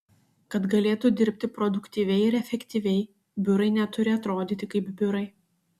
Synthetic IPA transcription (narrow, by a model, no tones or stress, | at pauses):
kɐt̪ɡɐlʲeːt̪ud̪ʲɪɾʲpʲt̪ʲɪpɾɔd̪ʊkt̪ʲiːʋʲɛɪɪɾɛfʲɛkʲt̪ʲiːʋʲɛɪ | bʲʊɾɐɪnʲɛt̪ʊɾʲɪɐt̪ɾoːd̪ʲiːt̪ʲɪkɐɪbbʲʊɾɐɪ